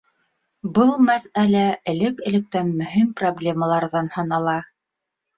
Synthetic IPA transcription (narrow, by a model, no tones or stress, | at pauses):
bɤlˠmæsælæɘ̆lɘkɘ̆lɘ̆k̚t̪ænmɵ̆ɦimproblʲemɑlˠɑɾðɑnhɑnɑlˠɑ